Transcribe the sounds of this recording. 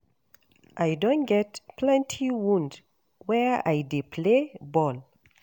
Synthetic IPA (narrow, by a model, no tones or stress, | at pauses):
ʔajdõnɡɛtplɛ̃ntʰiwũnd | wɛa̰jdepʰlebɔl